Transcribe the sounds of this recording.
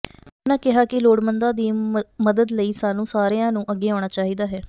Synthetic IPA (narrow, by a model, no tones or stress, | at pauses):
nãːkɪɦaːkɪloːɽmənd̪ãːd̪iːməd̪əd̪ləiːsaːnũːsaːɾeãːnũːʔəɡːeːãːɽ̃aːt͡ʃaːɦiːd̪aːɦɛː